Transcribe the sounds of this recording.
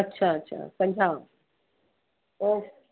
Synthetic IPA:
ɐtːɕʰaɐtːɕʰa̰sɐ̃ɲd͡ʒʱa | o

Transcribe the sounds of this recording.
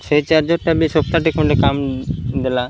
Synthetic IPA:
sejt͡ʃaɾd͡ʒoʈːabisop̚t̪aʈikmɔɳɖekamd̪ela

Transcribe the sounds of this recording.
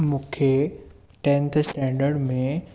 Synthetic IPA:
mʊkʰje | ʈẽnt̪ʰsʈɛ̃ɳɖəɾɖmẽ

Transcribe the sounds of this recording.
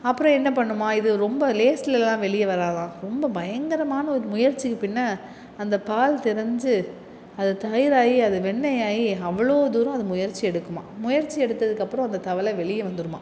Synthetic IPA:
ɐpːɯɾɔ̃ɛnːɐpɐɳːɯmːaːɪðɯɾɔmbɐleːsɪlɛlãːʋɛɭɪjɐʋɐɾaːðãːɾɔmbɐbɐjɐŋɡɐɾɐmaːnɐɔɾɯmʊjɐɾt͡ʃːɪkːɯpɪnːɐː | nd̪ɐpaːlt̪ɪɾɐɲd͡ʒɯ | ɐðɯt̪ɐjɪɾaːjiɐðɯʋɛɳːɐjaːjiɐʋːɐɭoːd̪uːɾʊ̃ɐðɯmʊjɐɾt͡ʃːiɛɽɯkːɯma̰ːmʊjɐɾt͡ʃːiɛɽɯt̪ːɐðɯkːɐpːɯɾɔ̃ɐnd̪ɐt̪ɐʋɐlɐʋɛɭɪjɐʋɐnd̪ɯɾɯma̰ː

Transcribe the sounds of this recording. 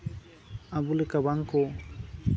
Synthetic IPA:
abulekabaŋko

